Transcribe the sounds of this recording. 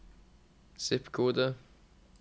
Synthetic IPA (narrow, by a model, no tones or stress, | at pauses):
sɪpkʰoːd̪ə